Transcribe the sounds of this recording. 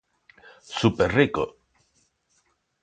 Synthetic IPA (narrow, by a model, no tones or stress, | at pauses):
supeɾriko̰